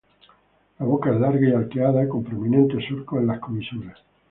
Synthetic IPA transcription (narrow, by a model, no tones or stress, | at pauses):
laβokaezlaɾɣaialkeaðako̞mpɾomĩnẽnt̪esuɾkoelaskomisuɾas